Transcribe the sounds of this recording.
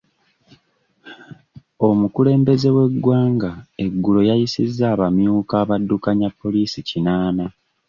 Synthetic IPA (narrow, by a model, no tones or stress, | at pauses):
o̞mukule̞ːmbe̞ze̞we̞ɡːwaːŋɡae̞ɡːulo̞jajisizːaːβamjuːkaːβadːukaɲapːo̞liːsicinaːna